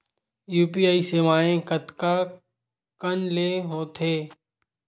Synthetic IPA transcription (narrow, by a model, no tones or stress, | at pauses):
juːp̬iːaːiseːʋaːẽkət̪ka | kənleːɦoːt̪ʰeː